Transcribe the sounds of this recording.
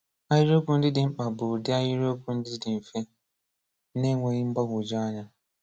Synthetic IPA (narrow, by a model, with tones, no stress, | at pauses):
a˦jɪ˦ɾo˦kʊ˦n̩˦dɪ˦dɪ˨ŋ͡m̩˦k͡pa˨bʊ˨dɪ˦a˦ji˦ɾo˦kʊ˦n̩˦dɪ˦dɪ˨m̩˨fe˦ | ne˦ŋʷe˨ɣɪ˦ŋ͡m̩˦ɡ͡ba˦ɡʷʊ˨d͡ʒɔ˦a˦ɲa˦